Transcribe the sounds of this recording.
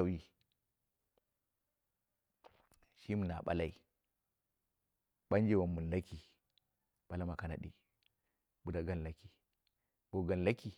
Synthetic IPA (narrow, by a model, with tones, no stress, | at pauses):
a˦˨i˦ | ʃi˦mu˨na˨ɓa̰˦la˦i˦ | ɓa˦nd͡ʒe˨wa˨mːu˨n˨la˦ki˨ | ɓ̥a˦la˦ma˨ka˨na̰˨ɗḭ˨ | bu˨da˦ɡa˦nla˦ki˨ | b̥o˨ɡa˨n˨la˦ki˨